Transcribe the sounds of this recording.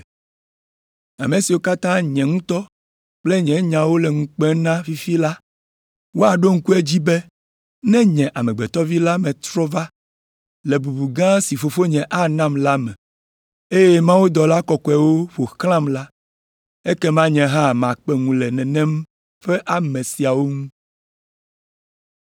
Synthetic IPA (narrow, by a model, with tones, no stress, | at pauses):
a˨mẽ˨si˨wo˦ka˦t̪ã˦ɲɛ̃˨ŋũ˦t̪ɔ˦ | k͡plɛ˦ɲɛ̃˨ɲã˨wo˦lɛ˨ŋũ˨k͡pɛ˦nã˦fi˦fi˦la˦ | wo˦a˨ɖo˦ŋ̩˦ku˦e˦d͡ʑi˦bɛ˦ | nɛ̃˦ɲɛ̃˨ʔa˨mɛ̃˨ɡ͡bɛ˨t̪ɔ˦vi˦la˦mɛ̃˨t̪ɾɔ˦va˦ | lɛ˨bu˨bu˨ɡã˦si˨fo˨fo˦ɲɛ̃˨ʔa˦nã˦mla˦mɛ̃˨ | e˦jɛ˦mã˦wu˦d̪ɔ˨la˦kɔ˨kɔ˨ɛ˨wo˦ɸo˨xlã˦mla˦ | e˦kɛ˦mã˦ɲɛ̃˨ɦã˦˨mã˨k͡pɛ˦ŋũ˨lɛ˨nɛ̃˨nɛ̃˦m | ɸɛ˦ʔa˨mɛ̃˨si˨a˨wo˦ŋũ˦